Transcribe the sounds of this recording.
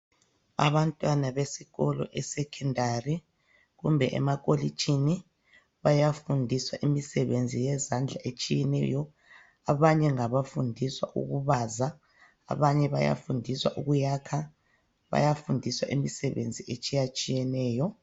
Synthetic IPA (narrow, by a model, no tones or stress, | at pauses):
a̰βantʼwanaβesiɣɔlɔ̰ʔɛsɛkʰɛndʱari | ɣumbʱɛʔɛ̰makʼolit͡ʃʼʰini | βajafundʱiswaʔimisɛβend͡zʱijɛzand͡ɮʱaʔet͡ʃʼijɛnɛ̰jɔ | aβaɲɛŋaβafundʱiswa̰ʔṵɣuβaza | a̰βaɲɛβa̰ja̰fundʱiswa̰ʔuɣujakʰa | βa̰jafundʱiswaʔimisɛβḛnd͡zʱiet͡ʃʼijat͡ʃʼijɛnɛːjɔ